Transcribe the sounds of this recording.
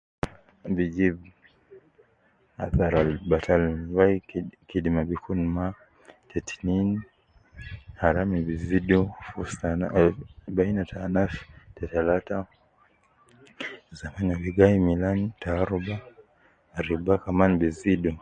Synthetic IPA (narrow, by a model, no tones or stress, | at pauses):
bid͡ʒib | a̰θaɾalbatʰalvaikidimabikʰunma | tʰɛti̥nin | haɾamibizidufustanabainatʰanaftɛtalata | zamanabiɡaimilantʰaːɾubaː | ɾibakamanbizidu